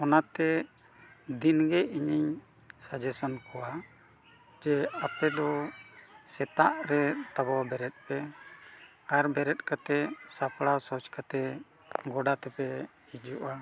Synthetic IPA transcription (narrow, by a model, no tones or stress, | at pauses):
ɔnat̪ɛ | d̪inɡɛiɲiɲ | sad͡ʒɛsankɔwa | d͡ʒɛapɛd̪ɔ | sɛt̪aʔɾɛt̪abɔwabɛɾɛt̪̚pɛ | aɾbɛɾɛt̪̚kat̪ɛsapɽasɔt͡ʃkat̪ɛ | ɡɔɖat̪ɛpɛ | id͡ʒuʔa